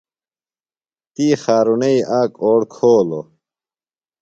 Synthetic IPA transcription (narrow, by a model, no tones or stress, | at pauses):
t̪iːxaːɾuneiʔaːkoːɽkʰoːlo